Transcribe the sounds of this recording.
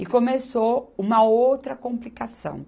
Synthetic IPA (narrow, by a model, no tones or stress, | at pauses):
ɪkõmesoũmɐowt̪ɾɐkõplikasɐ̰̃w̃